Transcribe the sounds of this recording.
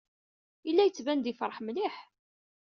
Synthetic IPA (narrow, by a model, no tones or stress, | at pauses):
ilːæjət͡sːvænd̪ifɾˤəħmliħ